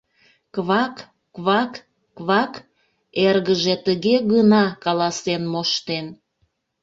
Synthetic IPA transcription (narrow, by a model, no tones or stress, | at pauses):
kβɑkː | βɑkː | βɑk | erɣəʒet̪əɣeɣənɑkɑlɑsenmoʃt̪en